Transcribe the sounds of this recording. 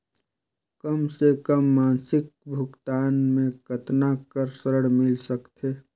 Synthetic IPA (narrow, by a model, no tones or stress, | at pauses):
kəmsekəmːaːnsɪk̚bʱʊɡt̪aːnmẽkət̪nakəɾsəɾəɽmɪlsəkt̪ʰe